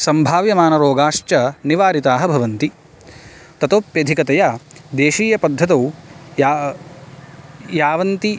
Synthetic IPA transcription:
sɐmbʱaːʋjɐmaːnɐɾoːɡaːʂt͡ʃɐniʋaːɾit̪aːɦɐbʱɐʋɐnt̪i | t̪ɐt̪oːpjɐd̪ʱikɐt̪ɐjaːd̪eːʃiːjɐpɐd̪ʱːɐt̪̬ɐwja | jaːʋɐnt̪i

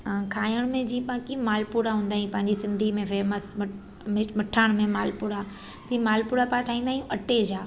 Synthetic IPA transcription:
kʰaːjəɽ̃mẽd͡ʑiːə̃pãkimaːlpuɾaɦũːnd̪aːɦĩpɐ̃ɦɪ̃ɲd͡ʑisɪ̃nd̪ʱimẽfeːməs | mɪmɐʈʰaːɽ̃mẽmaːlpʊɾa | t̪ĩmaːlpʊːɾapaːʈʰaːĩnd̪aːĩjũʔɐʈed͡ʑaː

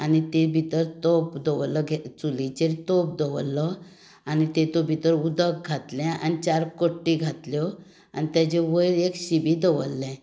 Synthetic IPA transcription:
anit̪ebʱit̪əɾt̪opd̪əʋlːəɡʱɛt͡sulit͡ɕeɾt̪op̚d̪əʋlːə | anit̪ẽt̪obʱit̪əɾud̪ək̚ɡʱat̪lɛ̃a̰nit͡ɕaɾkoʈːiɡʱat̪ljɔ | a̰nit̪jat͡ɕeʋəjɾekɕibid̪əʋəlːɛ̃

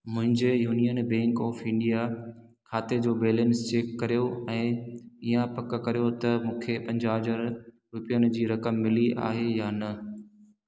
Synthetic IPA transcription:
mʊ̃ɦɪ̃ɲd͡ʑejuːnijənbɛ̃ːŋkɔːfɪ̃ɳɖija | kʰaːt̪ed͡ʑoːbeːlenst͡ɕeːkːɐɾijoɛ̃ːijãpɐk̆kɐɾijot̪ɐmũːkʰepɐ̃ɲd͡ʑaːd͡ʑaɾ | ɾʊpijənɪ̆d͡ʑiːɾɐkəmːɪliʔa̰ːɦejaːnɐ

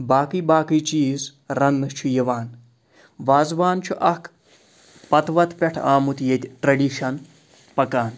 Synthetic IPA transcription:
baːkiːbaːkiːt͡ʃiːz | ɾɐnːɨt͡ʃʰujɐʋaːn | ʋaːzʋaːnt͡ʃʰuʔɐkʰ | pɐt̪ʰʋɐt̪pʲɐʈʰaːmut̪jet̪ʲʈɾɐɖiːʃɐn | pɐkaːn

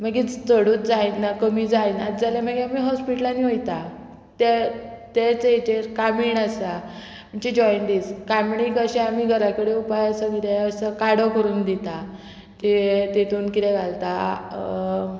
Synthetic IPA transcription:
m̤əɡit̪əɽuːt̪̚d͡zainakəmid͡zainat̪d͡zalãm̤əɡeamiːɦɔspiʈlaniːɦojt̪a | t̪e | t̪et͡sejt͡ɕeɾkamiːɳəsa | m̤əɳt͡ɕid͡ʑɔjɳʈ̪iːskamɳikəɕɛamiːɡʱəɾakəɽeupajəsəkit̪ɛəsəkaɽokəɾuːnd̪it̪a | t̪iʋet̪et̪uːnkit̪ɛɡʱalt̪a

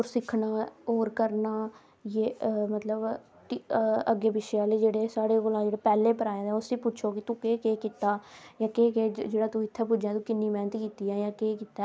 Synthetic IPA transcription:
oɾsɪkʰnaːoːɾkəɾnaː | jeːmət̪ləb | ʈiəɡːeːbɪʃjaːleːd͡ʒeːɽeːsaːɽeːkoːlãːd͡ʒeːɽeːpɛːleːpəɾaːẽd̪ɛ̃ːʊsiːpʊːʃʰoːkɪt̪ũːkeːkeːkɪt̪aːjãːkeːkeːd͡ʒeːɽaːt̪ũːɪt̪ʰːɛːpʊd͡ʒẽːt̪ũːkɪnːiːmɛːnət̪kiːt̪iːɛːjãːkeːkɪt̪aː

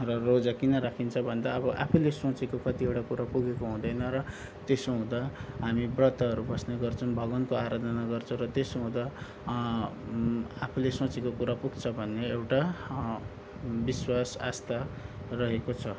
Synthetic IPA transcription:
rʌrod͡zakinʌɾakʰint͡sʰʌbʱʌnd̪aʌbʌʔapʰulesõt͡sekokʌt̪iewʈakuɾapuɡekoɦũd̪ʌjnʌrʌ | t̪esoɦũd̪aɦamibrʌt̪aɦʌɾubʌsneɡʌrt͡sʰʌ̃w̃bʱʌɡʌnkoaɾad̪ʱʌnaɡʌrt͡sʰʌ̃w̃rʌt̪esoɦũd̪a | apʰulesõt͡sekokuɾapuɡt͡sʰʌbʱʌnːeewʈa | biswasast̪arʌɦekot͡sʰʌ

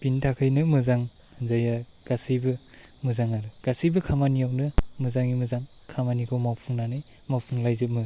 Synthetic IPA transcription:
b̥intʰakʰɯjnɯmɯzaŋ | zaja | ɡ̥asɯjbɯ | mɯzaŋaɾɯɡ̥asɯjbɯkʰamanijawnɯmɯzaŋimɯzaŋ | kʰamanikʰomawpʰuŋnanajmawpʰuŋlajzɯmɯ

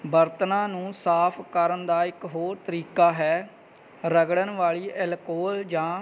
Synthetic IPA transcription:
bəɾt̪nãːnũːsaːpʰkəɾənd̪aːɪkɦoːɾt̪əɾiːkaːɦɛː | ɾəɡɽənʋaːɭiːʔɛlkoːld͡ʒãː

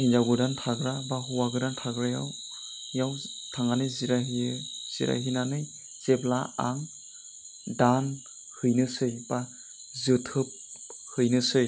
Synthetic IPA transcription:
hind͡ʒaɡɯdantʰaɡɾabaɦuwaɡɯdantʰaɡɾaja̰w | jawtʰaŋanɯziɾaɦiz̥ḭɾa̰ɦinanɯj | z̥eblaaŋ | dan | hɯjnɯsɯjba | zɯtʰɯp̚hɯjnɯsɯj

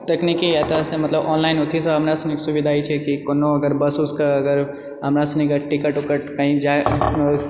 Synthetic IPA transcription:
t̪eknikiɛt̪ɐsemɐt̪ləbɔːnlaɪnʊt̪ʰisəɦəmɾasɐneksuʋid̪ʱait͡ʃʰekikonoɐɡəɾbəsʊskəɐɡəɾ | əmɾasɐnikəʈɪkəʈukəʈkaɦĩd͡ʒae

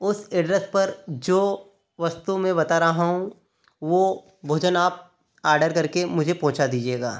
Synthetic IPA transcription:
ʊsɪɖɾəspɐɾd͡ʒoː | ʋɐst̪umẽbɐt̪aɾɐɦaɦũ | ʋo | bʱoːd͡ʒənaːp̚ | aːɾɖəɾkɐɾkemʊd͡ʒʱepɐ̃ɦʊ̃t͡ʃad̪iːd͡ʒieːɡa̰ː

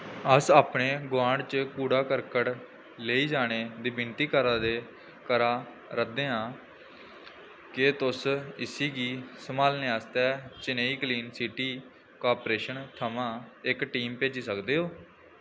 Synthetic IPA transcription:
əsaːpɳeːɡʊãːɳɖt͡ʃəkuːɽaːkəɾkəʈ | leːiːd͡ʒaːɽ̃eːd̪iːbɪnt̪iːkəɾãːd̪eː | kəɾaː | ɾəkd̪eːãː | kɪt̪ʊsɪsiːɡiːsəmaːlnẽːaːst̪ɛːt͡ʃɪneːiːkliːnsiʈiː | kaːpɾeːʃənt̪ʰəmãːɪkʈiːmpeːd͡ʒiːsəkd̪eːɦoː

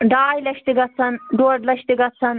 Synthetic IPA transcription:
ɖaːjlɐʃt̪iɡɐt͡sʰɐnɖoːɖlɐʃt̪iɡɐsʰɐn

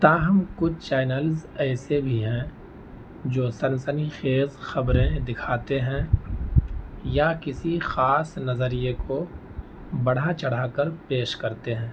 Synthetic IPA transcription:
t̪aːɦɐmkʊt͡ʃʰt͡ʃaːɪnəlzɛːsebʱiɦɛ̃ | d͡ʒoːsɐnsənixeːzxɐbɾẽd̪ɪkʰaːt̪eɦɛ̃ | jakɪsixaːsnɐzəɾijeko | bɐɽ̤at͡ʃɐɽ̤aːkəɾpeːʃkɐɾt̪eɦɛ̃ː

